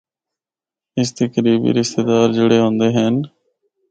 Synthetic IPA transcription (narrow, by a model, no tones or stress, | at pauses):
ɪs̬t̪əkɾiːbḭːɾɪst̪eːd̪aːɾd͡ʒeɽeːɦõːnd̪eːɦɛn